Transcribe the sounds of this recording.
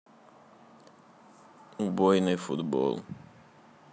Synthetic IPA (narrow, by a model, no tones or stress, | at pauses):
ubojnefṵt̪bɔ̰l